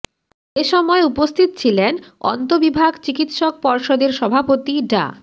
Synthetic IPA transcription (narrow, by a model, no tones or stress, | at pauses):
eʃɔmɔeupost̪ʰit̪ot͡ɕʰilenɔ̰nt̪obibʱaɡt͡ɕikit̪ʃok̚pɔɾʃod̪eɾʃɔbʱapot̪iɖa̰